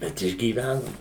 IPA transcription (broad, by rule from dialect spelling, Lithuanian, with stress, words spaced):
ˈbʲɛt ɪʒʲɡʲiːˈʋʲænoːm